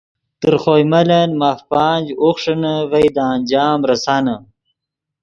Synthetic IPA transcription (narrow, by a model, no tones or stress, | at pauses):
t̪ɨɾχojmɐlɐnmaːfpaːnʲd͡ʑoxʂɐnɐʋɐjd̪aːnʲd͡ʑaːmɾɐsaːnɐ